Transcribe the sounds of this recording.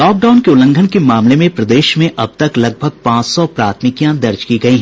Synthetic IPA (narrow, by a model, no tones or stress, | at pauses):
lɔːk̚ɖaʊnkeʊlə̃ŋɡʱənkemaːmlemẽpɾɐd̪eːʃmẽʔɐb̚t̪ɐklɐɡ̚bʱəɡ̚pãːt͡ʃsɔpɾaːt̪ʰmɪkijãd̪ɐɾd͡ʒkiɡɐiɦɛ̃